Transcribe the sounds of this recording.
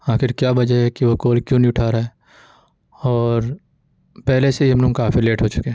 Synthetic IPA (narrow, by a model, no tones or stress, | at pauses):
aːxɪɾkjaːbɐd͡ʒaɦɛkiʋokoːlkjũːnĩʊʈʰaːɾaɦɛ | ɔːɾ | pɛɦleseɐmnũmkaːfileːʈɦoːt͡ʃʊ̥kẽː